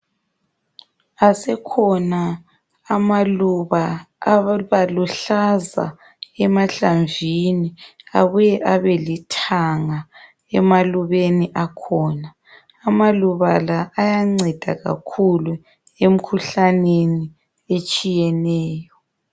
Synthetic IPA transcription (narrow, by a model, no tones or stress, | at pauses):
asɛkʰɔnaː | maluβa | βaluɬaza̰ | ɛmaɬaɱvʱinia̰βujɛʔaβɛlitʰaŋa | ɛmaluβeniʔakʰɔːnaː | maluβalaʔːjaŋ͡ǀɛd̥ʱa̰ɣa̰kʰulu | em̩kʰuɬaneni | et͡ʃʼijɛnɛːjɔ